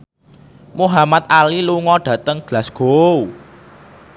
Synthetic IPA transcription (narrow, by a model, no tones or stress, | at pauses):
muɦamat̪̚aliluŋɔɖ̥ä̤t̪əŋɡ̥la̤sɡ̥ou